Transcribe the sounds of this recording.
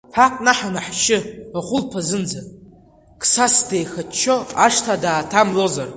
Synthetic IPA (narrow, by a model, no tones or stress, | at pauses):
fʰakʼnaħanaħʃɪaχʷʊlpʰazɨnd͡zan | kʰʼsasdejxatt͡ʃʰːo̞aʂtʰadaːtʰamlo̞zar